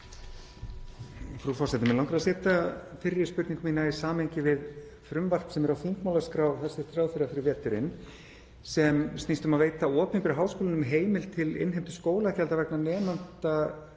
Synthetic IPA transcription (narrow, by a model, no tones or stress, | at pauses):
fɾufɔrsɛt̪ʏmɛlawŋkɾaðsɛːt̪afɪɾːɪ̥spʏɾt̪niŋkʏmiːnaisaːmejɲcɪvɪð | fɾʏmvar̥psɛmɛɾawfiŋkmawlaskɾaːwvθɛsːɪɾ̥t̪ɾaːwfɪɾafɪɾɪɾvɛːt̪ʏɾɪn | sɛmst̪ist̪ʏmaðveːjt̪aɔːpɪnmpɪɾɦaːwskoːlɪnʏmɦeːjmɪlt̪ʰɪlɪ̰nɦejmt̪ʏ̥skoːwlaðcɛlt̪avɛknanɛːmant̪a